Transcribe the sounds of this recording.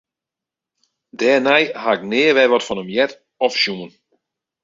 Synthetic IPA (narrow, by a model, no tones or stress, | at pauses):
dɛːnɛjhaɪk̚nɪːəʋɛʋɔtfɔnəmjɛt | ɔfʃjumən